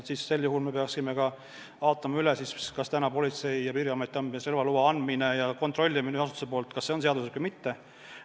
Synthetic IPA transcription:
sisːe̞lːjuɦulme̞pe̞ɑksime̞kɑ | ɑˑot̪ːˑɑmɑylesiskɑst̪ænɑpo̞lʲit̪se̞jjɑpiriɑmet̪ːˑiɑnisrelvɑluwɑɑnd̪minejɑko̞nt̪ˑro̞lʲːimineɑs̬ut̪u̥se̞p̬o̞ːlt̪kɑsːe̞o̞nse̞ɑd̪uset̪kujmit̪ːe̞

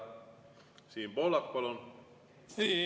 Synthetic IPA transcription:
siːmb̥olɑkpolon

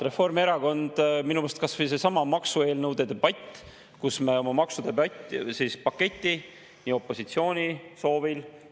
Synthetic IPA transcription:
re̞fo̞rme̞ɾɑko̞nd̪̥minumest̪kɑsvis̬e̞sɑmɑmɑksue̞ːlnɤwd̪̥e̞d̪e̞b̥ɑt̪ʲː | kusme̞o̞mɑmɑksud̪̥ebɑtsiːspɑkːe̞t̪ʲːˑi | nʲiːo̞pːo̞sit̪sio̞ːnʲiso̞ːvil

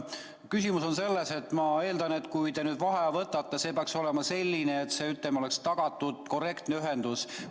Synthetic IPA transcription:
kysʲimuso̞nse̞lːe̞se̞t̪ːˑmɑe̞ːld̪̥ɑne̞t̪kujd̪e̞nyːd̪vɑɦe̞vɤt̪ːˑɑt̪ːˑɑse̞ːpeɑkso̞le̞mɑse̞lʲːineːt̪se̞yt̪ːˑemo̞le̞kst̪ɑɡ̥ɑt̪ːˑud̪̥ko̞re̞kt̪neyɦe̞nd̪̥us

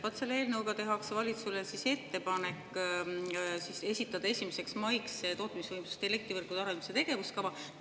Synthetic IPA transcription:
pɑt̪selːeːlnəwɡɑt̪e̞ɦɑksvɑlʲit̪sulesise̞t̪ːe̞pɑne̞kːˑ | sise̞sʲit̪ːˑɑd̪̥ɑe̞sʲimese̞ksmɑjkset̪o̞ːt̪misvɯjmsu̥st̪ele̞k̚t̪ivɤrkud̪̥ɑɾenmiset̪e̞ɡ̥e̞vuskɑvɑ

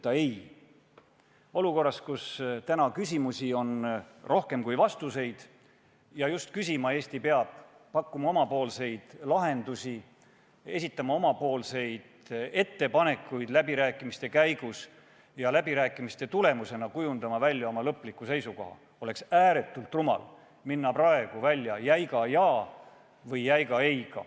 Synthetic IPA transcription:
t̪ːɑej | o̞luko̞rːɑskust̪ænɑkysʲimusʲio̞n | rʔo̞hke̞mkujvɑst̪use̞jd̪̥ | jɑjust̪kysʲimɑe̞ːst̪ipeɑb̥̚ | pɑkˑːumɑo̞mɑpo̞ːlse̞jd̪̥lɑɦe̞nd̪̥usʲi | e̞sit̪ːˑɑmɑo̞mɑpo̞ːlse̞jd̪̥e̞t̪ːe̞pɑne̞kːˑujd̪̥læbiɾæːkːˑimist̪e̞kæjɡ̥us | jɑlæbiɾæːkːˑimist̪e̞t̪ule̞muse̞nɑkujund̪̥ɑmɑvælʲːjɑo̞mɑlɤpːˑlikːˑuse̞jsuko̞̰hɑ̰ | o̞le̞ksæːɾe̞t̪ːˑult̪rumɑ̰l | minːɑprɑe̞ɡ̥uvælʲːjɑjæjɡɑjɑː | vɤjːæjɡɑejɡ̥ɑ̰

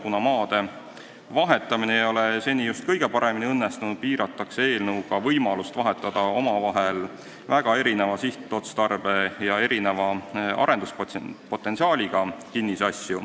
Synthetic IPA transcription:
kunɑmɑːd̪̥e̞ | vɑɦe̞t̪ːˑɑminejjo̞lese̞nʲijust̪̚kɤjɡ̥e̞pɑɾe̞miniɤnːest̪unud̪̥̚piːɾɑt̪ːˑɑksee̞ːlnɤwkɑvɤjmɑlust̪vɑɦe̞t̪ːˑɑd̪̥ɑo̞mɑvɑɦe̞l | væɡ̥ɑe̞ɾine̞vɑsiht̪ːo̞t̪st̪ɑrb̥e̞jɑe̞ɾine̞vɑɑ̰ɾe̞nd̪usppo̞t̪ːˑe̞nsiɑːlʲiɡ̥ɑkinːisɑsju

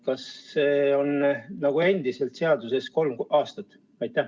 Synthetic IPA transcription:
kɑsːeːo̞nnɑɡ̥ue̞nd̪̥ise̞lt̪se̞ɑd̪̥use̞sko̞lmɑːst̪ɑt̪ːˑ | ɑjt̪ːˑæh

